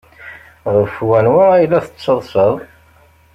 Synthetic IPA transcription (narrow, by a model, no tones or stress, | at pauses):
ʁəfwænwæilːæθə̥t͡sːəðˤsəðˤ